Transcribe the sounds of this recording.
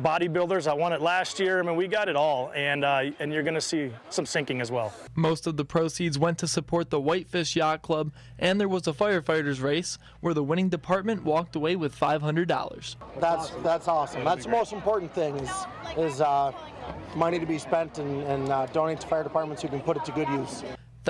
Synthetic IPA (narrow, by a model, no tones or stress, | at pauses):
bɑɾibɪlˠdə˞zəɪwɑ̃ɾ̃ɨtˡlæst̚jɪɹaɪmĩnwiɡɑɾɨɾɔlˠɨ̃nɨ̃njə˞ɡʌnɨsisʌ̃msɪ̃ŋkɪ̃ŋɨzwɛlˠ | moʊstʌvðəpʰɹ̥oʊsidzwɛ̃ntʰɨsɨpʰɔɹt̪̚ðəwaɪtfɪʃjɑt̚kʰl̥ʌb | ʔɨ̃nðə˞wʌzəfaɪə˞faɪɹə˞zɹeɪs | wə˞ðəwɪ̃ɾ̃ɪ̃ŋdɨpʰɑɹt̚mɨ̃nʔwɔk̚təweɪwɨð̥faɪv̥ɦʌ̃ndɹədɔ̰lˠə̰˞z̥ðæsðætsɔsə̃m̩ðætðəmoʊstm̩pʰɔɹʔn̩θɪ̃ŋɪzɪz | mʌñiɾɨbispɛ̃ntɨ̃nɨ̃ndõʊ̃nɪtʰə̥faɪə˞ɾəpʰɑɹt̚mə̃ntshʉkɨ̃n̩pʊɾɨtʰɨɡʊdjʉz̥ | ð